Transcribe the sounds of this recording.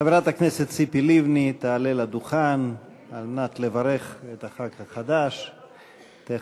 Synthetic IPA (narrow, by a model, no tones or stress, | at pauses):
aveɾat̪akneset̪sipilivnit̪aːlelad̪uχan | almenat̪levaɾe̞χet̪aχakhaχad̪aʃ | t̪e